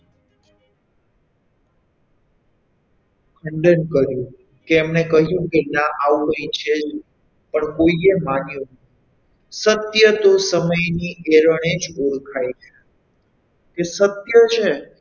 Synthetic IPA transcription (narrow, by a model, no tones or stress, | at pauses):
kʰəɳɖənkəɾjũ | keɛmnekəɦjũkenãʔaʋɦəit͡ʃʰed͡ʒ | pəɳkoiemanjũ | sət̪jət̪osəməjnieɾəɽed͡ʒoɾkʰajt͡ʃʰe | kesət̪jət͡ʃʰe